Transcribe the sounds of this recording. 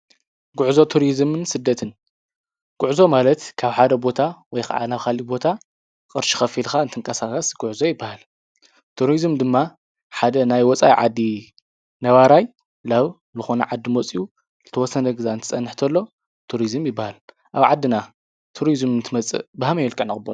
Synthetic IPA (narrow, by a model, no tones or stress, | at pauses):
ɡuʕzo̞t̪ʰuɾizmɨnsɨd̪ːɐt̪ʰɨn | ɡ̥uʕzo̞malɐt̪kʰaβħad̪ɐbo̞t̪ʰawɔjxa̰ʕa̰naβkʰalibo̞t̪ʰa | kʼɨɾʃi̥xɐfilxant̪ʰɨŋkʼɐsatʼasɡ̥ʊʕzo̞jɪbːahal | t̪ʰuɾizmd̪ɨmːa | ħad̪ɐnajwɔt͡sʼa̰jʕa̰d̪ːi | nɐβaɾaj | laβ | zɨxonɐʕad̪ːɨmot͡sʼiju | zɨt̪ʰɐwɔsːɐnɐɡɨzaɨnt̪ʰɨ̥t͡sʼɐnːɨħt̪ʰɐlːo̞ | t̪ʰuɾizɨmjɪbːahal | ʔaβʕad̪ːɨna | t̪ʰuɾizmnt̪ʰɨmɐt͡sʼɨ̰baɦamɐjɛlkʼɨʕnɨxʼɨbon